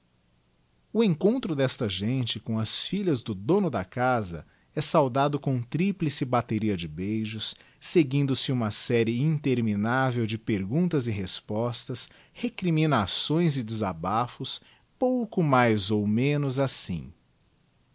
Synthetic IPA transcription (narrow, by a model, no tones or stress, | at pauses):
ʊẽŋkõnt̪ɾʊd̪ɛst̪ɐʒẽnt͡ʃɪkõɐsfiʎɐzd̪ʊd̪õnʊd̪ɐkazɐ̰ | ɛsawd̪ad̪ʊkõt̪ɾiplɪsɪbat̪eɾiɐd͡ʒɪbejʒʊsː | eɡĩnd̪ʊsɪũmɐsɛɾɪĩnt̪eɾminavewd͡ʒɪpeɾɡũnt̪ɐzɪɦespɔst̪ɐs | hekɾimĩnasõj̃zɪd͡ʒɪzabafʊs | powkʊmajzowmẽnʊzasḭ̃